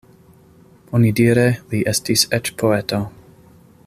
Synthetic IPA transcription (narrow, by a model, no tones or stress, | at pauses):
onidiɾeliʔestiset͡ʃpʰoeto